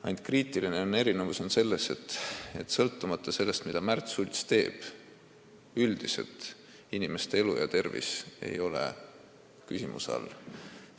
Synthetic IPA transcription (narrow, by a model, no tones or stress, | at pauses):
ɑjnt̪kriːt̪ˑiline̞o̞ne̞ɾinevuso̞nse̞lːe̞se̞t̪ːe̞t̪ːsɤlt̪ːumɑt̪ˑːɑse̞lːe̞st̪mid̪̥ɑmært̪sulʲt̪st̪e̞ːb̥ | yld̪̥ise̞̰lt̪ | inime̞st̪ee̞lujɑ̰t̪e̞rvḭse̞̰jo̞le̞̰ | kysimṵsɑ̰lː